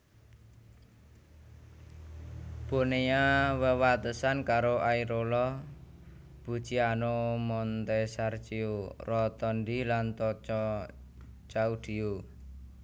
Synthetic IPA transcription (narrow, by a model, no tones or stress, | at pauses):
b̥o̤nejawəwat̪əsankaɾoʔaiɾolɔ | b̥ṳ̥t͡ʃianomɔnt̪esart͡ʃiorɔt̪ɔnd̪ilant̪ɔt͡ʃɔ | t͡ʃaud̪̥i̤o